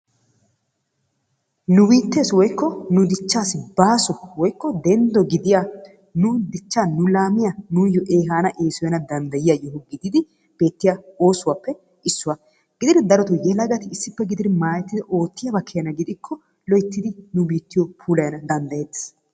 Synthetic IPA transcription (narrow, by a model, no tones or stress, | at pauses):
nʊbiːt̪ːe̞ːswɔjkːɔnʊd̪ɪt͡ʃːaːsɪbaːsɔwɔjkːɔd̪ɛnd̪ɔɡɪd̪ɪjaː | nʊd̪ɪt͡ʃːaːnʊlaːmɪjɐnʊːjɔʔe̞ːɦaːnɐʔe̞ːsʊjɐnɐd̪ɐnd̪ɐjɪjajɔɦʊɡɪd̪ɪd̪ɪ | b̥e̞ːt̪ːɪjao̞ːsʊwaːpːɛ | ʔɪsːʊwa | ɡ̥ɪd̪ɪd̪ɪd̪ɐɾɔt̪ʊjɛlɐɡɐt̪ɪːsːɪpːɛɡɪd̪ɪd̪ɪmaːjɛt̪ːɪd̪ɛʔo̞ːt̪ːɪjɐbɐkʰːɛjɐnɐɡɪd̪ɪkʰːɔ | lɔjɪt̪ːɪd̪ɪnʊbiːt̪ːɪjɔpʰuːlɐjɐnɐd̪ɐnd̪ɐjet̪ːɪ̥s